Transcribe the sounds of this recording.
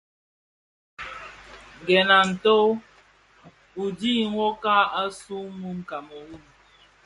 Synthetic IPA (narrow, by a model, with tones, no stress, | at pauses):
ɡɛ˨na˨n̩˨to˦ | u˨diː˦ŋwɔ˦ka˦a˦su˦mu˦ŋ̩˨ka˨mɔ˨wu˦du˨